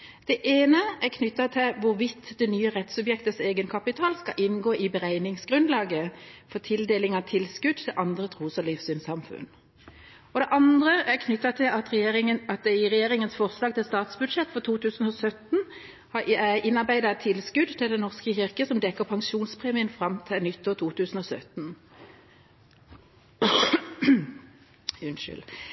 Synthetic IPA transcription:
d̪̥ɛʔeːnəækʰnʏt̪ːɑt̪ʰɪlʋʊʁʋɪt̪ːd̪ɛnyːəʁɛt̪sʉbjɛkt̪əseːɡənkʰɑpɪt̪ʰɑːlskɑ̰ʔɪnɡoːʔɪbəʁæɪnɪŋsɡ̥ʁʉnd̪lɑːɡəfɔʁt̪ʰɪld̪eːlɪŋɑʋt̪ʰɪlskʉd̪̚t̪ʰd̪ɛʔɑnd̪ʁət̪ʰʁuːsɔlɪfsyːnsɑmfʉ̰n | ɔd̪ɛʔɑnd̪ʁəʔækʰnʏt̪ːɑt̪ʰɪlɑt̪ʁɛjeɪŋəɑt̪̚d̪ɛɪʁɛjeːʁɪŋənsfɔʁslɑːɡ̚t̪ʰɪlst̪ɑːt̪sbʉd̪ʃɛt̪ːfɔt̪ʰuːt̪ʰʉːsn̩ɔsœt̪n̩ | hɑʔæʔɪnːɑʁbæɪd̪ɑɛt̪ʰːɪlskʉd̪t̪ʰɪld̪ɛnɔʁskəçɪʁkəsɔmd̪ɛkːəʁpʰɑŋʃuːnspʰʁɛmɪənfʁɑmt̪ʰɪnʏt̪ːoːt̪ʰuːt̪ʰʉːsn̩ɔsœt̪n | ʉnʃʏ̰l

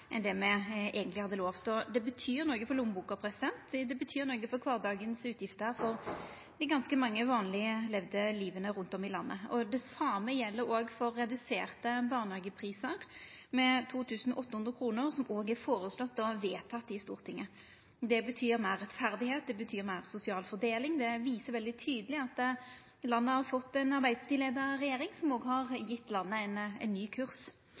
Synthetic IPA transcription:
ʔɛnd̪ɛmɛʔɛːɡənt̪lɪhɑd̪ːəloːʋt̪ɔd̪ɛbət̪ʰyːɾnoːɡəfɔlʊmbuːkɑpʰɾɛsɪd̪ɛnt̪d̪ɛbət̪ʰyːɾnoːɡəfɔɾkʰʋɑːʁd̪ɑːɡənsʉːt̪ʰjɪft̪əhæːɾfɔʁ | d̪ɪɡɑnskəmɑŋːəʋɑːnlɪəlɛʋd̪əliːʋənəɾʉnt̪ɔmɪlɑnːə̰ɔd̪ɛsɑməjɛlːəɾoːɡfɔɾːɛd̪ʉseːʁt̪əbɑːʁnhɑːɡəpʰɾiːsəɾmɛt̪ʰuːt̪ʰʉːsn̩ʔɔt̪ːəhʉnd̪ɾəkʰɾuːnəɾsɔmoːɡæɾfoːɾəslɔt̪ːɔʋeːt̪ʰɑt̪ːɪst̪ṵːʁt̪ʰɪŋːə | d̪ɛbət̪ʰyːɾmæɪʁːɛt̪fæʁd̪ɪheːt̪̚d̪ɛbət̪ʰyːɾmæɪʁsʊsɪɑːlfɔɾd̪eːlɪŋd̪ɛʋiːsəʋɛld̪ɪt̪ʰyːd̪əlɪɑt̪ː | lɑnːəhɑʁfɔt̪ːɛnɑɾbæɪpʰɑt̪iːleːd̪əɾɾɛjeːɾɪŋsɔmoːɡhɑʁjɪt̪ːlɑnːəɛɪnɛ̰ɪnnːyːkʰʉʁs

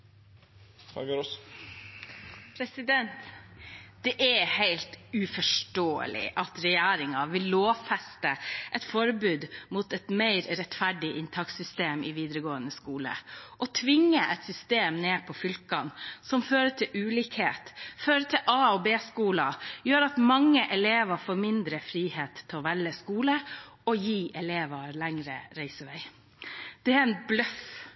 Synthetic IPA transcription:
ɑ̰ɡɔs | pʰɾɛsɪd̪ɛnt̪ | d̪̥ɛʔæhæɪlt̪ʉfɔʂʈoːə̰lɪ̰ʔɑt̪ɾɛjæːɾɪŋɑʋɪlːoːfɛst̪əʔɛt̪fɔɾbʉːd̪muːt̪ɛt̪meɪɾɾɛt̪fæɖɪʔɪnt̪ʰɑksʏst̪eːmʔɪʋiːd̪ɾəɡoːənəskuːlə̰ʔɔt̪ʰʋɪŋːəʔɛt̪sʏst̪eːmneːpʰɔfʏlkɑnsɔmføːɾəʈʰɪlʔʉːliːkheːt̪føːɾəʈʰɪlʔɑːɔbeːskuːlɑjøːɾɑt̪mɑŋːəʔɛleːʋɑfoːɾmɪnd̪ɾəfɾiːheːt̪ʰːɪɔʋɛləskuːləɔjiːʔɛleːʋɑɾlæŋɾə̰ɾæɪsəʋæɪ | d̪̥ɛæɾɛnblœf

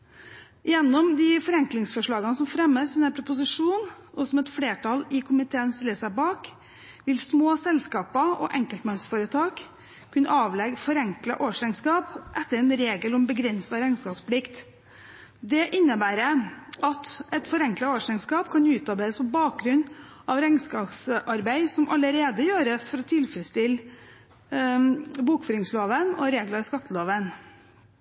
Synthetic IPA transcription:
jɛnːɔmd̪ɪfɔɾɛŋklɪŋsfɔʂɭɑːɡənsɔmfɾɛmːəsɛnæpʰɾʊpʊs̬ɪʂuːn | ʔɔsɔmɛt̪fleːʈʰɑlɪkʰʊmɪt̪ʰeːənst̪ɪlːəsæɪbɑːk | ʋɪlsmoːsɛlskɑːpəʔɔ̰ʔɛŋkəlt̪mɑnsfoːɾət̪ʰɑːk | kʰːʉnəʔɑːʋlɛɡfɔɾɛŋklɑʔoːʂɛnskɑːpʔɛt̪ːəɾɛnɾeːɡəlɔmbəɡɾɛnsɑɾɛnskɑːspʰlɪkt̪ | d̪ɛʔɪnːəbæːɾəʔɑt̪ɛt̪fɔɾɛŋklɑoːʂɛnskɑːpkʰɑnʉːt̪ɑɾbæɪəspʰɔbɑːk̚ɡɾʉnʔɑʋɾɛŋskɑpsʔɑɾbæɪsɔmʔɑləɾeːd̪əjøːɾəsfɔɾɔt̪ʰɪlfɾəst̪ɪl | buːkfœːɾɪŋsloːʋənɔ̰ɾeːɡlɑskɑt̪ʰːəloːʋən

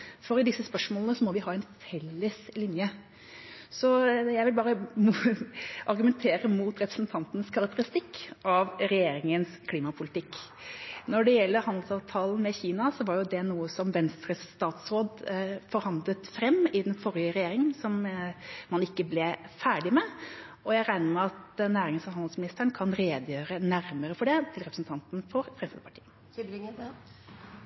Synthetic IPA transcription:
fɔɾɪd̪ɪsːəspœʂmoːlənəsɔmɔʋɪɦɑːɛnfɛlːəslɪnjə | sɔjæɪʋɪlbɑːɾəm | ʔɑɾɡʉmɛnt̪ʰeːɾəmuːt̪ɾɛpɾə̥sn̩t̪ʰɑnt̪nəskʰɑɾɑk̚t̪əɾɪst̪ɪkːɑʋɾɛjeːɾɪŋənskʰliːmɑpʰʊlɪt̪ɪkː | nɔɖɛjɛlːəhɑnd̪lsɑːʋt̪ʰɑːln̩mɛçiːnɑsɔʋɑɾjʊd̪ɛnuːəsɔmʋɛnst̪ɾəst̪ɑːt̪sɾoːd̪fɔɾhɑnd̪lət̪fɾɛmːɪd̪ɛnfɔɾɪəɾɛjeːɾɪŋənsɔmː | ɑnɪkːəblɛfæːɖɪmɛ | ɔjæɪɾæɪnəɾmæɑt̪næːɾɪŋənsɔhɑnd̪lsmɪnɪst̪əɳkʰɑnɾeːd̪əjøːɾənæɾməɾəfɔɖɛt̪ʰɪlɾɛpɾəsn̩t̪ʰɑnt̪nfɔɾfɾɛmsfə̰pʰɑ̥ʈʰi̥̰ːə

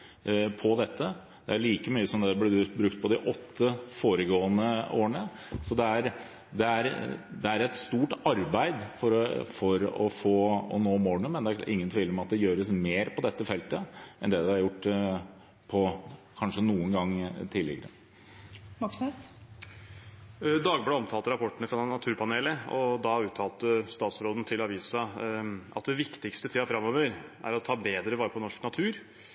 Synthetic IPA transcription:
pʰɔd̪ɛt̪ːə | d̪̥ɛæɭiːkəmyːəsɔmd̪ɛblɛbɾʉkt̪̚pʰɔd̪ɪʔɔt̪ʰːəfoːɾəɡoːənəʔoːəɳə | sɔd̪ɛæɾ | d̪ɛæɾd̪ɛæɾɛt̪st̪uːʈɑɾbæɪd̪fɔɾɔfɔɾɔ̰foːɔ̰noːmoːɳəmɛnd̪ɛæʔɪ̰ŋːənt̪ʰʋiːləɾɔmɑt̪̚d̪ɛjøːɾəsmeːɾpʰɔd̪ɛt̪ːəfɛlt̪əʔɛnd̪ɛːd̪ɛɑɾjʊʈː | pʰɔkʰɑnʂənuːənɡɑŋːt̪ʰɪːlːɪ̰ɡəɾə | mɑksneːs | d̪ɑːɡbəlɑɔmt̪ʰɑːlt̪əɾɑpʰɔʈːəɳəfɾɑnːɑt̪ʰʉːɾpʰɑneːləɔd̪ɑʉːt̪ʰːɑːlt̪əst̪ɑːt̪sɾoːd̪ən̩t̪ʰɪlɑʋiːsɑʔɑt̪̚d̪ɛʋɪkt̪ɪkst̪ət̪ʰiːɑfɾɑmːɔʋəɾʔæ̰ɾɔt̪ʰɑːbeːd̪ɾəʋɑːɾəpʰɔnɔʂknɑt̪ʰʉːɾ

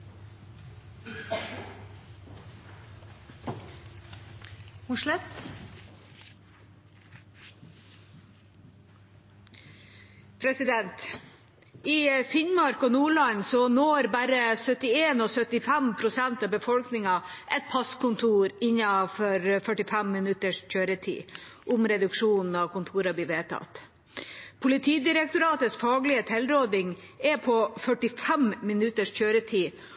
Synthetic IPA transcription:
hʊʂlɛt̪ | pʰɾɛsɪd̪ɛnt̪ | ifɪnmɑɾkɔnuːɭɑɲsɔnoːɾbæɾəsœt̪ɪeːnɔsœt̪ɪfɛmpʰɾʊsɛnt̪ɑbəfɔlknɪŋɑʔɛt̪̚pʰɑskʰʊnt̪ʰuːɾɪɲːɑfɔɾfœʈɪfæmːɪnʉt̪əʂçøːɾət̪ʰḭːʔʊmɾɛd̪ʉkʂuːnn̩ɑʋkʰʊnt̪ʰuːɾɑbliːʋeːt̪ʰɑ̰t̪ | pʰʊlɪt̪ʰiːd̪ɪɾɛk̚t̪ʊɾɑːt̪əsfɑːɡlɪət̪ʰɛlɾoːd̪ɪŋɛpʰɔfœʈɪfɛmmɪnʉt̪əʂçøːɾət̪ʰiː

